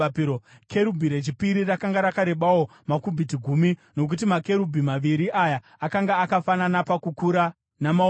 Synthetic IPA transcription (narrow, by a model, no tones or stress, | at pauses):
okʰe̞ɾubʱiɾe̞t͡ʃipiɾirakaŋɡaɾakaɾe̞ɓawo̞makubʱitiɡʱumino̞k̬utimake̞ɾubʱimaʋiɾiʔajaːkaŋɡaːkafananapakukuɾa | nama